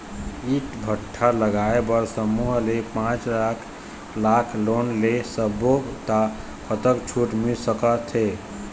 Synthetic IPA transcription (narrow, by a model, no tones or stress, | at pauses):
iʈbʱəʈʰːaləɡaebəɾsəmuɦlepãt͡ʃlakʰ | lakʰlonlesəbot̪a | kʰət̪əkt͡ʃʰuʈmilsəkət̪ʰe